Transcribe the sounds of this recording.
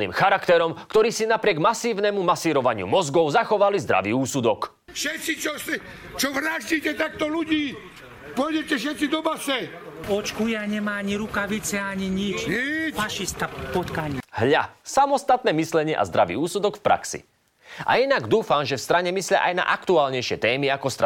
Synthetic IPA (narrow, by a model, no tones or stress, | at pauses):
nḭːmxaɾakt̪ɛɾɔmkt̪ɔɾiːsinapɾɪɛɡmasiːʊnɛmumasiːɾɔʋaɲɪṵmɔzɡɔʊzaxɔʋalizd̪ɾa̰ʋḭːuːsud̪ɔk | fʃɛt̪sit͡ʃɔsi | t͡ʃɔʋɾaʒɟiːcɛt̪ak̚t̪ɔluɟiː | pɔjɛcɛfʃ̬ɛt̪sid̪ɔbasɛɔt͡ʃkujaɲɛmaaɲiɾukaʋit͡sɛaɲiɲit͡ʃifaʃist̪apɔt̪kaɲiɦʎasamɔst̪at̪nɛːmislɛɲɪɛʔa̰zd̪ɾaʋḭːuːsud̪ɔkfpɾa̰ksḭ | ʔa̰inaɡd̪uːfamʒɛfst̪ɾaɲɛmislɪa̰ʔajna̰ʔakt̪uaːlɲɛjʃɪɛt̪ɛːmiakɔst̪a